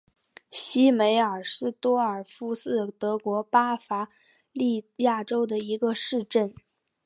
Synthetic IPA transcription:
ɕi˥me˧˥ɪə˞˨˩ʂɻ̩˥˩t̪wɔ˥ə˞˨˩fu˥sɹ̩˥˩t̪ɤ˧˥kwɔ˧˥pa˥fa˧˥ | li˥˧ja˥˩ʈ͡ʂo˥ʊd̪ə˨i˧˥ɡə˧ʂɻ̩˥˧ʈ͡ʂə˥˩n

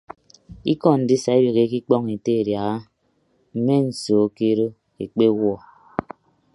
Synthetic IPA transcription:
ḭ˦kɔ˦n̩˨di˦sa˨e˦be˨ɣe˦ki˦k͡pɔ˦ŋe˨te˦˨ɾja˨ɣa˦ | m̩˦me˦n̩˨soː˨˦ke˦ɾo˦ | e˨k͡pe˦wɔ˦˨

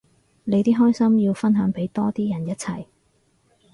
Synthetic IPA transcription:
le˨˧jt̪iː˥ɦɔː˥jsɐ˥mjiː˧wfɐ˥nɦœː˨˥ŋpe˨˥jt̪ɔː˥t̪iː˥jɐ˨˩njɐ˥t̚t͡sʰɐ˨˩j

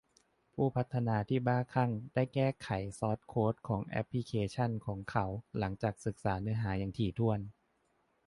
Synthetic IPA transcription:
pʰuː˥˩pʰa˦˥t̪ʰːa˧naː˧t̪ʰiː˥˩baː˥˩kʰa˥˩ŋda˥˩jkɛː˥˩kʰa˩˦jsɔː˦˥t̪̚kʰoː˦˥t̪̚kʰɔː˩˦ŋʔɛ̰˦˥pʰli˧˥kʰeː˧t͡ɕʰa˥˩nkʰɔː˩˦ŋkʰa˨˦˥wla˩˦ŋt͡ɕaː˨˩k̚sɯ˨˩k̚saː˩˦nɯː˦˥ɐɦaː˩˦jaː˨˩ŋt̪ʰiː˨˩t̪ʰu˥˩ən

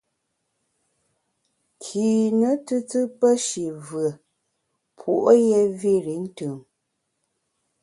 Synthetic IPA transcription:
kʰiː˨nə˦tɨ˦tɨ˦pə˦ʃi˨və˨ | pʰu˨ʔo˦jɛ˦vi˦˨ɾi˨˦n̩˦tɯ˨m

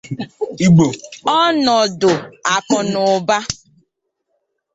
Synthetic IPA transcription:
i˦ɡ͡bo˨ɔ˦nɔ˨dʊ˨a˨kʊ˨nʊ˨ba˦

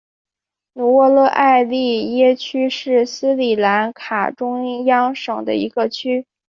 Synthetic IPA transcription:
nu˧˥wɔ˥˧lɤ˥˧ʔa˥˧ɪli˥˩jɛ˥t͡ɕʰy˥ʂɻ̩˥˩sɹ̩˥li˨˩la˧˥nkʰa̰˨˩ʈ͡ʂʊ˥ŋjɑ˥ŋʂɤ˨˩ŋd̪ə̰˦i˧˥ɡə˧t͡ɕʰy˥

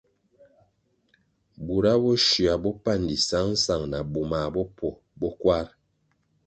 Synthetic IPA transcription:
bu˨ɾa˦bɔ˦ʃi˨a˨bɔ˦pa˦˨ndi˨sa˦n̩˦sa˨ŋna˨bu˨ma˨bɔ˦pɔ˨ | bɔ˦kwa˦ɾ

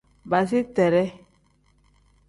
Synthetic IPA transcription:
ba˨s̬i˦tɛ˨ɾɛ˦

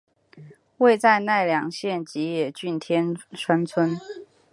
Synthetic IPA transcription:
we˥˧ɪt͡sa˥˧ɪna˥˩ɪljɑ˨˩˦ŋɕjɛ˥˩nt͡ɕi˧˥jɛ˨˩t͡ɕy˥˩nt̪ʰjɛ˥nʂʰwa˥nt͡sʰwə˥n

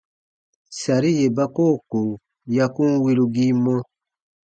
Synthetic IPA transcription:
sa˨ɾi˦je˨ba˦koː˦˨ko˨ | ja˧kũ˦wi˧˦ɾu˧ɡi˦mɔ̃˦

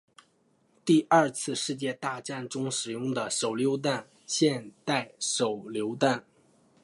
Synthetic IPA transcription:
t̪i˥˧ɐ˞˥˧t͡sʰɹ̩˥˧ʂɻ̩˥˧t͡ɕjɛ˥˧t̪a˥˧ʈ͡ʂa˥˩nʈ͡ʂʊ˥ŋʂɻ̩˨˩jʊ˥˩ŋd̪ə˩ʂo˨˩ʊljo˧˥ʊt̪̬a˥˧n | ɕjɛ˥˧nt̪a˥˩ɪʂo˨˩ʊljo˧˥ʊt̪a˥˩n

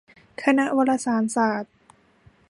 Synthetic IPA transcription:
kʰa˧na˦˥ʔwa˧la˧saː˩˦nsaː˨˩t̪̚

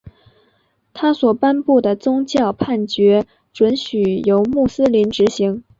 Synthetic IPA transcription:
t̪ʰa˥swɔ˨˩pa˥npu˥˩d̪ə˩t͡sʊ˥ŋt͡ɕjɑ˥˧ʊpʰa˥˩nt͡ɕɥɛ˧˥ | ʈ͡ʂwə˧˥nɕy˨˩jo˧˥ʊmu˥˩sɹ̩˥li˧˥nʈ͡ʂɻ̩˧˥ɕi˧˥ŋ

